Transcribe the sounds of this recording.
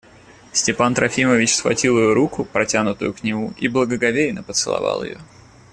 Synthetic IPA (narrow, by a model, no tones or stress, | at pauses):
sʲtʲɪpant̪ɾɐfʲiməvʲɪt͡ɕsxvɐ̰tʲilˠɪjoɾukʊpɾɐtʲanʊt̪ʊ̰jʊknʲɪmuʔiblˠəɡəɡɐvʲejɪnəpət̪sɨlˠɐ̰vɑ̰lˠɪ̰jo̰